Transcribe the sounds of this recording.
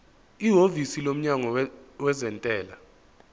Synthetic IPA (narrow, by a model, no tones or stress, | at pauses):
iɦovisilom̩ɲaŋɔwɛzɛntʼɛːla